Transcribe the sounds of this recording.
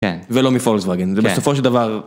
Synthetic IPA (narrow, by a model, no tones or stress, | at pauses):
kḛnvelo̞mifolzvaɡenzɛbesofo̞ʃ̬eld̪avaʁ